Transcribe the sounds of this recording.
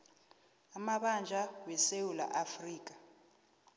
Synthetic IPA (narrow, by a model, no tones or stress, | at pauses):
amaɓand͡ʒʱawɛsewula̰ʔafriːk̬ʼḁ